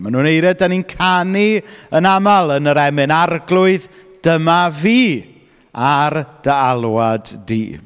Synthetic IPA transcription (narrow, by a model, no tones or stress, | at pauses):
manuːnejɾɛdaninkʰaniənamalˠənəɾɛmɪnarɡlˠʊɨðd̥əmaviː | ard̥əalˠwadːḭː